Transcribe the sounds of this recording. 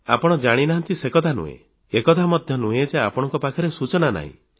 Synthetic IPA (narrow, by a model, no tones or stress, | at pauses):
apɔɽ̃ɔd͡ʒaɽ̃inaɦant̪isekɔt̪ʰanṵḛ | ekɔt̪ʰamɔd̪ʱjɔnued͡ʒea̰pɔɽ̃ɔŋkɔpakʰɔɾesut͡ʃɔnana̰ɦḭ̃